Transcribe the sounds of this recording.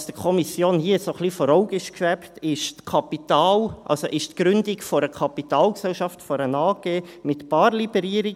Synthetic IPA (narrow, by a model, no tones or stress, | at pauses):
sd̥əkʰɔmisjoːnhiəsoχlifɔɾɔʊɡɪʃkʋɛptɪʃtkʰɑpit̪ɑːlʔɑ̰lsoʔɪʃtkɾʏndikfɔɾəkʰɑpitɑːlksɛlʃɑftfɔɾənɑːɡ̥eːmɪt̪pɑːɾlibɛɾiːəɾi